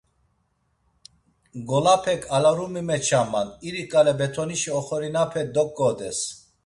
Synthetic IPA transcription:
ɡɔlapʰɛkʰalaɾumimɛt͡ʃʰamːaniɾikʼalɛbɛt̪ʰɔniʃiɔχɔɾinapʰɛd̪ɔkʼːɔd̪ɛs

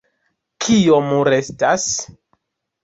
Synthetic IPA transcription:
kʰiomuɾe̞stas

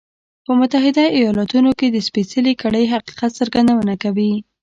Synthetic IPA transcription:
pəmʊt̪aɦɪd̪aijɑlɑt̪unoked̪əspesəlikaɽəjɦaqi̥qat̪səɾɡand̪awənakawi

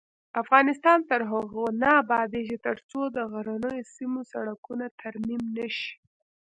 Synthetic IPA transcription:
afɣɑnɪst̪ɑnt̪əɾɦaɣonabɑd̪eʒit̪əɾt͡sod̪əɣaɾanəjosimosa̰ɽakunat̪ʰaɾmimnaʃi̥

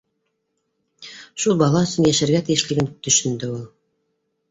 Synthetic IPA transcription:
ʃulˠbɑlˠɑɵ̆sɵnjæʃæɾɡæt̪ijɘ̆ʃlɘ̆ɡɘnt̪ɵ̆ʃɘ̆nd̪ɘulˠ

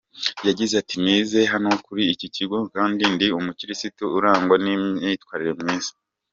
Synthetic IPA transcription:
jaɟizatiniːze̞ɦanokuɾiːciciɡokaːndindiumuciɾisituuɾaːŋɡwaniitwaːɾiɾe̞mŋiːz̥ḁ

